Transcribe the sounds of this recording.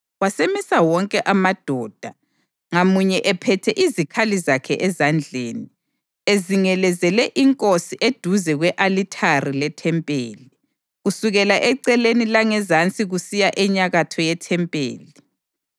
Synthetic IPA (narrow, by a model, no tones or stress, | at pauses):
wasemisawɔŋkʼɛʔamad̥ʱɔːd̥ʱa | ŋamuɲɛʔɛpʰɛtʰɛʔizikʰalizakʰɛʔɛzand͡ɮʱeːni | eziŋɛlɛzɛlɛʔiŋkʼosiʔed̥ʱuzɛɣwɛʔalitʰarilɛtʰɛmpʼeːli | ɣusuɣɛlaʔɛǀɛlenilaŋɛzant͡sʼiɣusijaʔɛɲaɣatʰɔjɛtʰɛmpʼḛːli